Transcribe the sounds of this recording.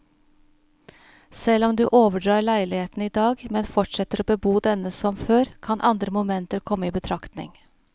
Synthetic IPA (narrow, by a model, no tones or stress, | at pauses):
sɛlːɔmd̪ʉːʔoːʋəɖɾɑːɾɭæɪlɪheːt̪n̩iːd̪ɑːɡmɛnfɔʈʂɛt̪ːəɾoːbəbuːd̪ɛnəsɔmføːɾkʰɑnʔɑnd̪ɾəmʊmɛnt̪əɾkʰɔmːəiːbət̪ʰɾɑkt̪nɪ̰ŋ